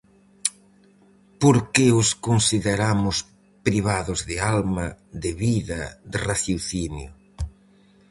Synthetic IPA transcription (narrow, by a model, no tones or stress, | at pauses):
poɾkɪʊskonsiðeɾamʊs | pɾiβaðʊzðɪalmɐðɪβiðɐ̰d̪ɪraθjoθinjʊ̰